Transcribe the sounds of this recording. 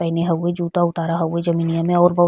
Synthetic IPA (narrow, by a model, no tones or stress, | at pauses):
ɛɦɪneɦɐwːed͡ʒuːt̪aʊt̪aːɾaɦɐwːed͡ʒɐminijamẽɔːɾbɐ